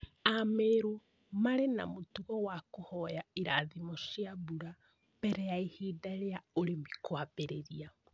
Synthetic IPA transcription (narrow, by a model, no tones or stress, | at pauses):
ameɾu | maɾena̰motuɣɔwakohɔjaiɾaðimoʃjaβuɾa | b̥ɛɾɛaehiːdaɾeaoɾemikwabeɾeɾia